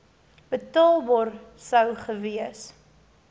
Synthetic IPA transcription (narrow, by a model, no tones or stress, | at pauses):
b̥ətɑːlˠbɑːrsəwχəviəs